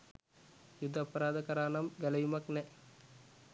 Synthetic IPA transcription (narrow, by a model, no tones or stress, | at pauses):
jud̪ʱːɐpɐɾaːd̪ɐkɐɾaːnɐmɡɐlɐjumɐknɛ